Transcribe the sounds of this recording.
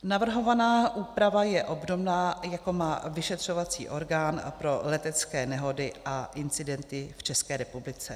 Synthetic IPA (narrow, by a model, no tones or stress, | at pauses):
navr̩ɦo̞vanaːʔuːpɾavajɛʔo̞bdo̞mnaːjako̞maːvɪʃɛt̪r̝̥o̞vat͡sḭːʔo̞ɾɡaːnpɾo̞lɛt̪ɛt͡skɛːnɛɦo̞dɪʔaʔɪnt͡sɪdɛnt̪ɪft͡ʃɛskɛːɾɛpublɪt͡sɛ